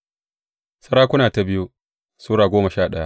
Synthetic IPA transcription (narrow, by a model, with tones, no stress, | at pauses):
sɐ˦ɽaː˦kʷʊ˦naː˨ta˨bɪ˦ju˦ | suː˦ɽaː˨ɡʷoː˦mɐ˨ʃaː˦˨ɗɐ˦ja˦ʔ